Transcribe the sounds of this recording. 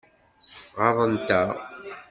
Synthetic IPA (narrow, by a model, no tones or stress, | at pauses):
ʁɑðˤənt̪a